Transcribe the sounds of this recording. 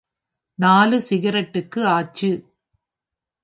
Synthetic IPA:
naːlɯsɪɣɪɾɐʈːɯkːɯaːt͡ʃːɯ

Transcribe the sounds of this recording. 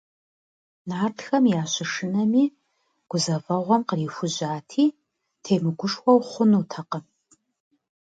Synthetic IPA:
naːrtxɐmjaːɕɪʂɨnɐmiː | ɡ̥ʷʊzɐvɐʁʷɔmqəriːfʷʊʑaːtʰiː | tʰeːmɨɡʷʊʂxʷɔwχʷʊnuːtʰɐqə

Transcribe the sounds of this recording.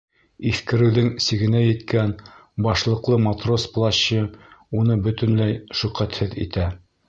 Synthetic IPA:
iθkɘ̆ɾɘ̆wðɘŋsiɡɘ̆næjɘ̆t̪kænbɑʃlˠɤ̆qlˠɤmat̪rosplˠaɕɤunɤbɵ̆t̪ɘ̆nlæjʃɵ̆qæt̪hɘðḭt̪æ

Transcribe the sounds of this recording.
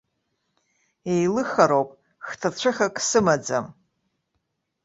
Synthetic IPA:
ejlɨχaɾowpʼ | χtʰat͡ɕʷʰɨχakʼsɨmad͡zam

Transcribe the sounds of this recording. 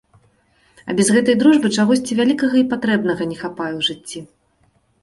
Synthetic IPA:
ɐ̰bʲɛzɣɛt̪ɐjd̪ɾuʐbɨt͡ʂaɣɔsʲt͡sʲivʲalʲikɐɣɐipat̪ɾɛbnɐɣɐnʲɛxapajɛwʐɨt͡sʲːi

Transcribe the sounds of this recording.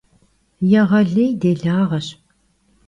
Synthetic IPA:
jɛʁɐɮɐjdeːɮaːʁɐɕ

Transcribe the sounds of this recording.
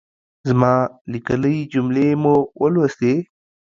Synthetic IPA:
zmɑːlikələid͡ʒumlemuwʔəlwost̪e

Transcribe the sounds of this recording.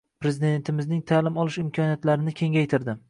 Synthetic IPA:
pɾe̞zɪd̪e̞nt̪ʰɪmɪznɪŋt̪ʰalɪmɒlˠɪʃɪmkʰɒnijat̪laɾɪnɪkʲʰe̞ŋʲajt̪ʰɪɾd̪ɪ

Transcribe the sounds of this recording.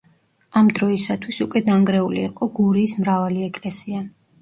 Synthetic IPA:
amd̪ɾɔisat̪ʰwisukʼwɛd̪aŋɡɾɛuliːqʼɔɡuɾiːsmɾavaliɛkʼlɛsia

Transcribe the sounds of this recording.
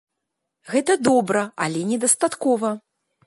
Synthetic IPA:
ɣɛt̪ɐd̪ɔbɾɐalʲɛnʲɛd̪ɐst̪at̪kɔvɐ

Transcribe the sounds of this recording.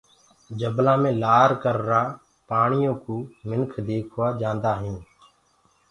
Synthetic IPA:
d͡ʒəblãːmẽːlaːɾkəɾɾaː | paːɳɪjõːkuːmɪnkʰd̪eːkʰʊaːd͡ʒãːnd̪aːɦĩː

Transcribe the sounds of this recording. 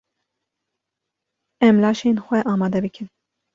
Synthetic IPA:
ɛmlɑːʃeːnxʷɛʔɑːmɑːd̪ɛbɨkʰɨn

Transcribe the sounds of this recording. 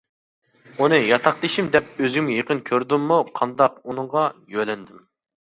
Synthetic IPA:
unɨjɑt̪ʰɑqd̪ɨʃimd̪ɛp̚øzimjeqənkʲʰøɾd̪ɪmːuqʰɑnd̪ɑqunɨɴʁɑjølɛnd̪ym

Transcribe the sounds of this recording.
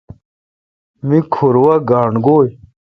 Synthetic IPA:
mikʰuɾwɐɡaːɳɡoːj

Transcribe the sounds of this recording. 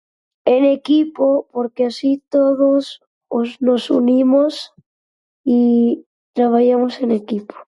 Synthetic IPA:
enekipopoɾkeasit̪oðos | oznosunimos | i | t̪ɾaβ̞aʝamosenekipo̥

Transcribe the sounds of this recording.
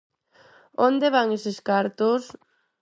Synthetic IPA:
ond̪eβaŋeseskaɾt̪os

